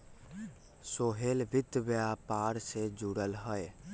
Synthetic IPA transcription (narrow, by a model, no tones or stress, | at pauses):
soːɦeːlʋɪt̪ːbəjapaːɾsed͡ʒuːɽəlɦəe